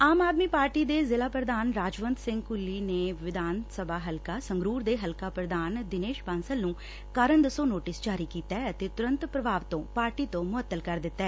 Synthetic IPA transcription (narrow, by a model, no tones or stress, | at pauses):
aːmaːd̪miːpaːɾʈiːd̪eːzɪlaːpɾəd̪aːnɾaːd͡ʒʋənd̪sɪ̃ŋɡkʊlːiːneːʋɪd̪ʱaːnsəbʱaːɦəlkaːsəŋɡɾuːɾd̪eːɦəlkaːpɾəd̪ʱaːnd̪ɪneːʃpənsəlnũː | kaːɾəɳd̪əsõːnoːʈɪsd͡ʒaːɾiːkiːt̪ɛːət̪eːt̪ʊɾə̃nt̪pɾəbʱaːʋt̪õːpaːɾʈiːt̪õːmʊət̪ːəlkəɾd̪ɪt̪ːɛː